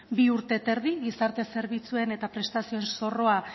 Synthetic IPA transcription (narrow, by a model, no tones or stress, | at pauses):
biuɾt̪e̞t̪e̞ɾðiɣisaɾt̪e̞se̞ɾβit͡sue̞ne̞t̪apɾe̞st̪asioe̞nso̞ro̞a